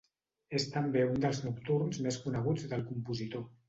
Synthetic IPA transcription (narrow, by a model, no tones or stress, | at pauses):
est̪əmbeund̪əlˠznukt̪uɾnzmeskunəɣ̞ud͡zðəlˠkumpuzit̪o